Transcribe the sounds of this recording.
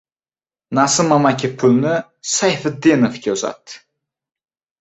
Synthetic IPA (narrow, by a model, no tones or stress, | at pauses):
nasɪmamakʲʰɪpʰʊlnɪ | sajfad̪enofkʲaza̰t̪ːɪ̥